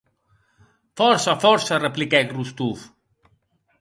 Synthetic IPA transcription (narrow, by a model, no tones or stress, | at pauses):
fɔɾsafɔɾsareplikɛkrust̪uf